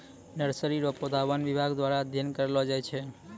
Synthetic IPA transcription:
nəɾsəɾiɾopod̪aʋanʋibʱaɡd̪ʋaɾad̪ʱjənkəɾelod͡ʒajt͡ʃʰe

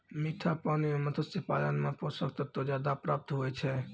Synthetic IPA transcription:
miʈʰapanimemət̪ʰəsipalənmepɔsəkt̪ət̪ːod͡ʒad̪apɾap̚t̪ɦoɛt͡ʃʰɛ

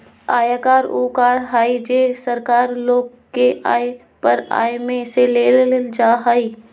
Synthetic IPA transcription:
aːjaːkaːɾoːkaːɾɦaːid͡ʒeːsɐɾkaːɾloːɡ | kea̰ːj | pɐɾa̰ːjmẽseleːlld͡ʒaːɦaːiː

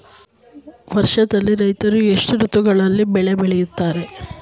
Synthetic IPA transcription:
ʋɐɾʃɐd̪ɐlːiɾɐjt̪ɐɾue̞ʂʈuɾut̪uɡɐɭɐlːibɛɭebɛɭejut̪ːaːɾe̞

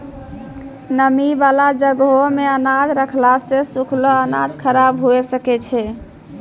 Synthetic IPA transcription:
nəmibalad͡ʒəɡomeənad͡ʒɾəkʰlasẽsukʰloəna̰d͡ʒkʰəɾabɦuesəkɛt͡ʃʰɛ

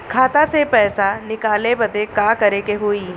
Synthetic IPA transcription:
kʰaːt̪asepɛːsanɪkaːlebɐd̪ekaːkɐɾekeɦoːiː

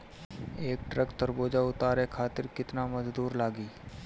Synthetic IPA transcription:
eːk̚ʈɾəkt̪əɾboːd͡ʒaʊt̪aːɾekʰaːt̪ɪɾkɪt̪namɐzd̪uːɾlaːɡiː

